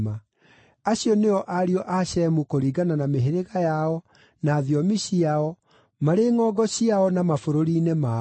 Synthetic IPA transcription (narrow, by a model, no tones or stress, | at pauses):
ma | aɕiɔneɔʔaɾiɔʔaɕɛmukoɾiːɡananameɦeɾeɣajaɔ | naːðjɔmiɕiaɔ | maɾeːŋɔːɡɔɕiaɔnamafoɾoɾiːnema